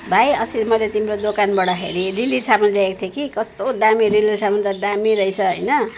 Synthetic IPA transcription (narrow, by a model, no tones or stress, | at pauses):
bʱajʌsimʌjlet̪imɾod̪okanbʌɽʌɦḛɾiriliʈsamundaekt̪ʰjekikʌst̪od̪amiɾilisamunt̪ʌd̪amiɾʌjt͡sʰʌɦʌjnʌ